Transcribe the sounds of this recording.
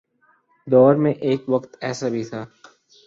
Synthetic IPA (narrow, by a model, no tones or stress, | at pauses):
d̪ɔːɾmẽʔeːkʋɐqt̪ɛːsabʱit̪ʰaː